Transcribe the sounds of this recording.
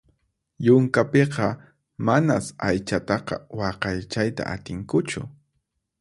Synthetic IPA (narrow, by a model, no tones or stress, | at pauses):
jʊŋkapeqɑ | manasajt͡ʃat̪ɑqɑ̰wɑqɑjt͡ʃajt̪a̰ʔa̰t̪ɪŋkʊt͡ʃʊ̰